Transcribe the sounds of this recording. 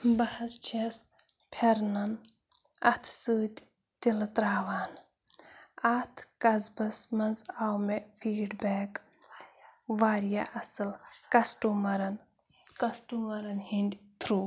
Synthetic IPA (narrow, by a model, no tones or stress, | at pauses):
bɐhɐst͡ʃʰes | pʰeɾnɐn | ɐt̪ʰsɨːt̪ʲ | t̪ilt̪ɾaːʋaːn | ɐt̪ʰkɐzbɐsmɐnzaːwmefʰiːɖbeːk | ʋaːɾja̰ʔɐsɨlkɐsʈuːmɐɾɐn | kɐsʈuːmɐɾɐnhind̪ʲt̪ʰɾuː